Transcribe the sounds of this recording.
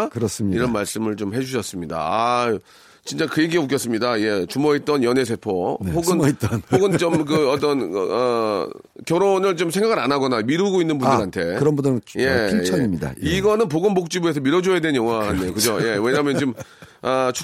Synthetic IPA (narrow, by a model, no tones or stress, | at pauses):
kɯɾʌs͈iɾʌnmaɭs͈ɯmɯɭt͡ɕomɦe̞d͡ʑuɕʰʌs͈ɯmɲida̰a | t͡ɕint͡ɕ͈akɯeɡiok̬͈jʌs͈ɯmɲidaje̞t͡ɕumʌit̚t͈ʌnjʌne̞s̬ʰe̞pʰohoɡɯnt͈hoɡɯnt͡ɕommk̬ɯʌt͈ʌnʌ | kjʌɾonɯɭt͡ɕomsʰeŋɡaɡɯɾanaɡʌnamiɾɯɡoinːɯnbunddɯɾɦantʰe̞kɯɾʌnbunje̞ʌɲimida̰iɡʌnɯnp̬oɡɯnmok̚t͡ɕ͈ibues̬ʰʌmiɾʌd͡ʑojedenjʌŋwaandejokɯd͡ʑoje̞we̞ɲaɦmjʌnt͡ɕomat͡ɕʰ